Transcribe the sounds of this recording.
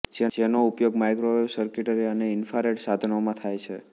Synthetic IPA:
d͡ʒed͡ʒenoupjoɡmajkɾoeusəɾkiʈəɾiəneɪnfaɾeʈsad̪ʱɳomãt̪ʰajt͡ʃʰe

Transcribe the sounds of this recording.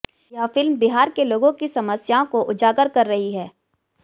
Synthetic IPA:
jɐɦfɪlmbɪɦaːɾkeloːɡõkisɐməsjaõkoʔʊd͡ʒaːɡəɾkɐɾːɐɦiɦɛː

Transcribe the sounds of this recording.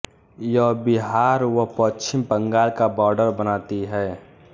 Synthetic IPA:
jɔːbɪɦaːɾwəɦpət͡ʃʰɪmpə̃ŋɡaːlkabɔːɾɖəɾbənaːt̪iɦɛː

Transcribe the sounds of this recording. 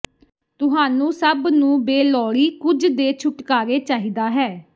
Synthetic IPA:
t̪ʊɦaːnũːsəbnũːbeːlɔːɽiːkʊd͡ʒd̪eːt͡ʃʰʊʈkaːɾeːt͡ʃaːɦiːd̪aːɦɛː

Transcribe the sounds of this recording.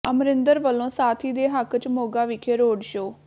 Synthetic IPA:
əmɾɪnd̪əɾʋəlːõːsaːt̪ʰiːd̪eːɦəkt͡ʃmoːɡaːʋɪkʰeːɾoːɖʃoː

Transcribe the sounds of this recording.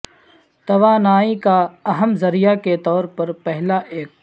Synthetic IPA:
t̪ɐʋaːnaːikaɐɦəmzɐɾijaket̪ɔːɾpɐɾpɛɦlaʔeːk̚

